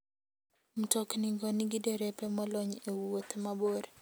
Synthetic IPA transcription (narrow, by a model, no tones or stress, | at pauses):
m̩tɔkniŋɡɔniɡidɛɾɛpɛmɔlɔɲewot̪maboɾ